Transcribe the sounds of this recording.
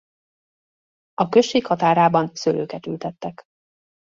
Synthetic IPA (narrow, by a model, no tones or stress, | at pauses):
ɒkøʃːeːkhɒt̪aːɾaːbɒnsølʔø̰ːkɛt̪ylt̪ɛt̪ːɛk